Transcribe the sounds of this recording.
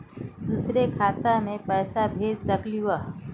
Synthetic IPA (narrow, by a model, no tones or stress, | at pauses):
d̪uːsɾekʰaːt̪amẽpɛːsabʱeːd͡ʒsɐkluʋaː